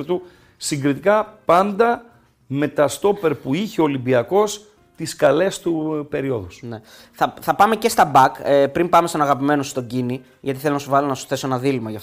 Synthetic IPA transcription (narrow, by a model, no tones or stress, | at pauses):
ɾt̪u | siŋɡɾit̪ikɐpɐnd̪ɐ | me̞t̪ɐst̪o̞pe̞ɾpuiçeo̞limbiɐko̞s | t̪iskɐle̞st̪upe̞ɾio̞ðusne | θɐθɐpɐme̞ce̞st̪ɐbɐkepɾimbɐmest̪onɐɣɐpime̞nosust̪o̞ɟini | ʝɐt̪iθelonɐsuvɐlonɐsu̥θe̞soenɐðilimɐʝɐft̪